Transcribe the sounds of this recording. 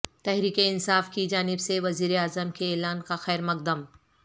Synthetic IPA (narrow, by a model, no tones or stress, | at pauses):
t̪ɛɦɾiːkeɪnsaːfkid͡ʒaːnɪbseʋɐziːɾeaːzəmkeɛːlaːnkaxɛːɾmɐk̚d̪əm